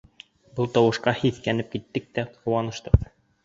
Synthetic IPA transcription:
bɤlˠt̪ɑwɤ̆ʃqɑhiθkænɘp̚kit̪ːɘk̚t̪æqɤ̆wɑnɤ̆ʃt̪ɤq

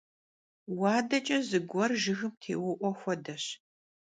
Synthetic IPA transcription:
waːdɐt͡ʃʼɐzɨɡʷɔrʒɨɣɨmtʰḛːwʊʔʷɔxʷɔdɐɕ

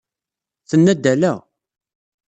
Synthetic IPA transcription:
θənːæd̪ːælæ

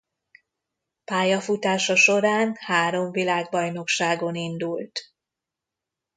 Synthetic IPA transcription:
paːjɒfut̪aːʃɒʃo̞ɾaːnhaːɾo̞ɱvilaːɡbɒjno̞kʃaːɡo̞nind̪ult̪

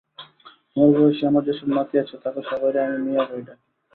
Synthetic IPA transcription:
moɾboeʃiamaɾd͡ʑeʃɔbmat̪iat͡ɕʰet̪akeʃɔbajɾeamimiaɦojʈa

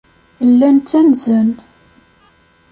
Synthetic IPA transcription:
lːænt͡s̪ænzən

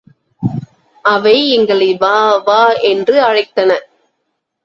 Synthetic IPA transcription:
ɐʋɐɪɛŋɡɐɭɐɪʋaːʋaːɛndrɯɐɻɐɪt̪ːɐnɐ

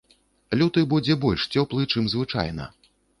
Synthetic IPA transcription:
lʲut̪ɨbud͡zʲɛbɔlʲʂt͡sʲɔplˠɨt͡ʂɨmzvɨt͡ʂa̰jnɐ̰

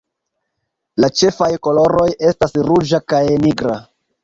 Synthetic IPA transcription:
lat͡ʃe̞fajko̞lo̞ɾo̞je̞stasɾud͡ʒakajniɡɾa

